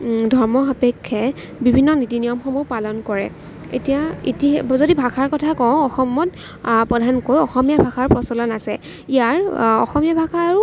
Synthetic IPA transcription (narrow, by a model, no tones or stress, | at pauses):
dʱɔɹmɔapekʰːɛ | bibʱinːɔnitinijɔmxɔmupalɔnkɔɹɛ̰ | ḛtijaitizodibʱakaɹkɔtʰakɔʊ̃ɔxɔmɔt | pɹɔdʱankojɔxɔmijabʱaxʰaɹpɹɔsɔlɔnasɛ | ijaɹɔ̰xɔmijabʱakʰaːɹu